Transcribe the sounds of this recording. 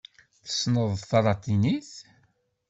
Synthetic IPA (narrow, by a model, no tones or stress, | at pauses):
θə̥snəðˤθɑɾˤɑt̪iniθ